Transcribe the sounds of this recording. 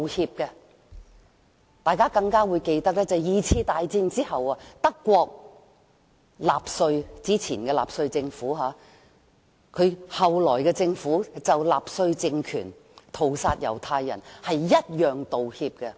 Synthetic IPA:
hiː˧p̚kɛ˧ | t̪aː˨˧jkaː˥kɐ˧ŋkaː˥wuː˨˧jke˧jt̪ɐ˥k̚lɛː˥t͡sɐ˨jjiː˨˧t͡sʰiː˧t̪aː˨˧jt͡siː˧nt͡siː˥hɐ˨waː˧t̪ɐ˥kːʷɔː˧k̚ | laː˨psɵ˧ɥt͡siː˥t͡sʰiː˨˩nkɛː˧la̰ː˨psɵ˧ɥt͡sɪ˧ŋfuː˨˥ɦaː˨˧˦ | kʰɵ˨˧hɐ˨wlɔː˨˩jkɛː˧t͡sɪ˧ŋfuː˨˥t͡sɐ˨wlaː˨p̚sɵ˧ɥt͡sɪ˧ŋkʰyː˨˩n | t̪ʰo˨˩wsaː˧t̚jɐ̰˨˩wt̪ʰaː˧jːɐ̰˨˩nhɐ˨jːɐ˥t̚jœː˨ŋt̪o˨whiː˧p̚kɛ˧

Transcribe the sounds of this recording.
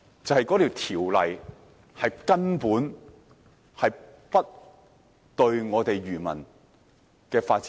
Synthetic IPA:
t͡sɐ˨˧hɐ˨jkɔ˨˥t̪ʰi˨˩wt̪ʰiː˨˩wlɐ̰˨j | hɐ˨jkɐ˥npuː˨˥n | hɐ˨jpɐ˥t̚ | t̪ɵ˧ɥŋɔː˨˧t̪e˨jɥyː˨˩mɐ̰˨˩n | kɛː˧faː˧t̚t͡sː

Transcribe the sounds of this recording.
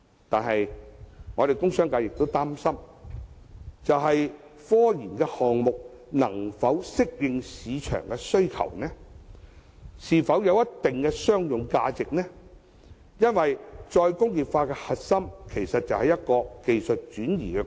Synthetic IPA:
t̪aː˨nɦɐ˨jŋɔː˨˧ɾe˨jkʊ˥ŋsœː˥ŋkaː˧jɪ˨k̚t̪o˥wt̪aː˥msɐ˥m | t͡sɐ˨wɦɐ˨j | fɔː˥jiː˨˩nkɛː˧hɔː˨ŋmʊ˨k̚ | nɐ˨˩ŋfɐ˨˥wsɪ˥k̚jɪ˧ŋsiː˨˧t͡ʃʰœ̰ː˨˩ŋkɛ˧sɵ˥ɥkʰɐ̰˨˩wnɛ˥ | siː˨˩fɐ˨˥wjɐ˨˧wjɐ˥tt̪ːɪ˨ŋkɛ˧sœː˥ŋjʊ˨ŋka̰ː˧t͡sɪ˨k̚nɛ˥ | jɐ˥nwɐ˨jt͡ʃɔː˧jkʊ˥ŋjiː˨pfaː˧kɛː˧hɐ˨t̚sɐ˥mkʰe˨˩jsɐ˨t̚t͡sɐ˨whɐ˨jɐ˥t̚kɔː˧ke˨jsɵ˨t̚t͡ʃyː˨˥njḭː˨˩kɛ˧

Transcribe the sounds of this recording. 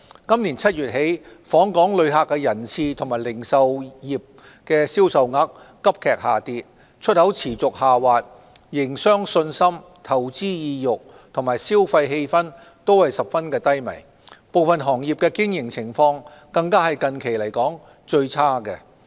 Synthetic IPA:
kɐ˥mliː˨˩nt͡sʰɐ˥t̚jyː˨t̚ɦe˨˥jfɔː˨˥ŋkɔː˨˥ŋlɵ˨˧ɥɦaː˨˧kːɛ˧jɐ˨˩nt͡sʰiː˨˧t̪ʰʊ˨ŋmaː˨˩jlɪ˨˩ŋsɐ˨wjiː˨˩p̚ | kɛː˧siː˥wsɐ˨wŋa˨˥k̚ː | ɐ˥p̚kʰɛː˨k̚haː˨˩t̪iː˨˧t̚ | t͡ʃʰɵ˥t̚hɐ˨˥wt͡sʰiː˨˩t͡sʊ˨k̚haː˨waː˨t̚ | jɪ˨˩ŋsœː˥ŋsɵ˧nsɐ˥m | t̪ʰɐ˨˩wt͡siː˥jiː˧jʊ˨k̚ | t̪ʰʊ˨˩ŋmaː˨˩jsiː˥wfɐ˧jɦe˧jfɐ˥n | t̪o˥whɐ˨jsɐ˨p̚fɐ˥nkɛː˧t̪ɐ˥jmɐ̰˨˩j | po˨wfɐ˨nɦɔː˨˩ŋjiː˨p̚kɛː˧kɪ˥ŋjɪ˨˩ŋt͡sʰɪ˨˩ŋfɔː˧ŋkɐ˧ŋkaː˥hɐ˨jkɐ˨nkʰe˨˩jlɐ˨˩jkɔː˨˥ŋ | t͡ʃɵ˧ɥt͡sʰaː˥kɛ˧

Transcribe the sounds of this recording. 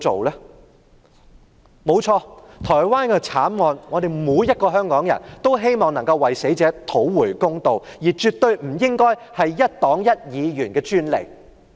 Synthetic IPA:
o˨wlɛː˥ | mo˨˧wt͡ʃʰɔː˧t̪ʰɔː˨˩jwaː˥nkɛː˧t͡sʰaː˨˥nŋɔː˨˧nŋɔː˨˧d̪e˨jmuː˨˧jjɐ˥t̚kɔː˧ɦœː˥ŋkɔː˨˥ŋjɐ̰˨˩nt̪o˥wɦe˥jmɔː˨˩ŋnɐ˨˩ŋkɐ˧wːɐ˨jse˨˥jt͡sɛː˨˥t̪ʰo˨˥wwuː˨˩jkʊ˥ŋt̪o˨wjiː˨˩t͡ʃyː˨t̚t̪ɵ˧ɥm̩˨˩jɪ˥ŋkɔː˥jhɐ˨jːɐ˥t̚t̪ɔː˨˥ŋjɐ˥t̚jiː˨˧jyː˨˩nkɛː˧t͡ʃyː˥nle˨˩j

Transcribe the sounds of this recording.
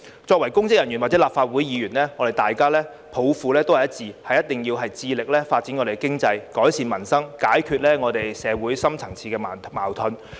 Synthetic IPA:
t͡sɔː˧k̚wɐ˨˩jkʊ˥ŋt͡sɪ˥kjɐ˨˩nɥy˨˩nwa˨t̚t͡sɛ˨˥laː˨p̚faː˧t̚wu˨˥jjiː˨˧jyː˨˩nlɛː˥ŋɔː˨˧ɾe˨˩jt̪aː˨jkaː˥lɛː˥ | pʰo˨˧wfuː˨˧lɛː˥t̪o˥whɐ˨˩jɐ˥t̚t͡siː˨˧hɐ˨jɐ˥t̚t̪ɪ˨ŋjiː˧wɦɐ˨jt͡siː˧lɪ˨k̚lɛː˥faː˧t̚t͡si˨˥nŋɔː˨˧ɾe˨˩˦kɪ˥ŋt͡sɐ˧jkɔː˨˥jsiː˧nmɐ˨˩nsɐ˥ŋkaː˨˥jkʰyː˧t̚lɛː˥ŋɔː˨˧t̪e˨jsɛː˨˧wuː˨˥jsɐ˥mt͡sʰɐ˨˩ŋt͡sʰiː˧kɛː˧m˨maː˨˩wt̪ʰɵ˨˧n

